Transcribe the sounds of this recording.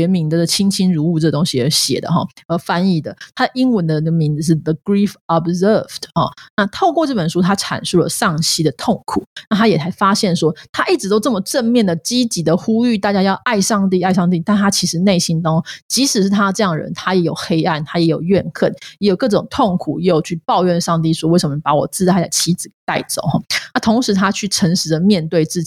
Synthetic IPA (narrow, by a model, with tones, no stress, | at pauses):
ɥɛ˧˥mi˧˥ŋd̪ə˨d̪ə˨˩t͡ɕʰi˥ŋt͡ɕʰi˥nɻu˧˥u˥˧ʈ͡ʂɤ˥˩ɡə˩t̪o˥ŋɕi˨ə˧˥ɕjɛ̰˨˩d̪ə̰˦xɑ̰˨˩ə˧˥fa˥ni˥˩d̪ə̰˦t̪ʰa˥d̪ə˨ʔi˥ŋwə˧˦nd̪ə˧˥˩ɡə˨mi˧˥nd͡z̩˧˩ʂ̬ɻ̩˥˩ðə˩ɡɹi˥fɔ˨bzə˥˩vdxɔ̰˨˩na˥˧t̪ʰo˥˧ʊkwɔ˥˧ʈ͡ʂɤ˥˩pə˨˩nʂu˥t̪ʰa˥ʈ͡ʂʰa̰˨˩nʂu˥˩lə̰˨˩ʂɑ˥˩ŋɕi˥d̪ə˨t̪ʰo˥˩ŋkʰṵ˨˩˦na˥˩t̪ʰa˥jɛ˨˩sa˧˥ɪfa˥ɕjɛ˥˩nʂwɔ˥t̪ʰa˥ʔi˥˩ʈ͡ʂɻ̩˧˥t̪o˥ʊʈ͡ʂɤ˥˩mə˨˩ʈ͡ʂə˥˧nmjɛ˥˩nd̪ə˩t͡ɕi˥t͡ɕi˧˥d̪ə˨xu˥y˥˧t̪a˥˩t͡ɕja˥jɑ˥˧ʊʔa˥˧ɪʂɑ˥˧ŋt̪̬i˥˧a˥˧ɪʂɑ˥˧ŋt̪̬i˥˧t̪a˥˩nt̪ʰa˥t͡ɕʰi˧˥ʂɻ̩˧˥ne˥˩ɪɕi˥nt̪ɑ˥t͡ɕi˧˥ʂɻ̩˨˩ʂɻ̩˥˩t̪ʰa˥d̪ə˨ʈ͡ʂɤ˥˧jɑ˥˩ŋə˩ɻə̰˧˦nt̪ʰa˥jɛ˧˥jo˨˩ʊxe˥ɪa˥˩nt̪ʰa˥jɛ˧˥jo˨˩ʊɥɛ˥˧nkʰə˥˩njɛ˧˥jo˨˩ʊkɤ˥˩ʈ͡ʂo˨˩ŋt̪ʰo˥˩ŋkʰu˨˩˦jɛ˧˥jo˨˩ʊt͡ɕʰy˥˧pɑ˥˧ʊɥɛ˥˧nʂɑ˥˧ŋt̪̬i˥˩ʂwɔ˥we˥˩ɪʂə˧˦mə˩pa˧˥wɔ̰˨˩t͡sɹ̩˥˧a˥˩ɪə̰˨˩t͡ɕʰi˧˥d͡zɹ̩˨˩t̪a˥˩ɪt͡so̰˨˩ʊxɔ˨˩˦na˥˩t̪ʰo˧˥ŋʂɻ̩˧˥t̪ʰa˥t͡ɕʰy˥˩ʈ͡ʂʰə˧˥ŋʂɻ̩˧˥d̪ə˨mjɛ˥˧nt̪we˥˧ɪt͡sɹ̩˥˩t͡ɕi˨